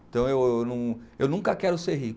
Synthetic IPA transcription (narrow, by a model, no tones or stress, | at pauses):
ẽt̪ɐ̃w̃ewwnɐ̃w̃ewnũŋkɐkɛɾʊseɾɦik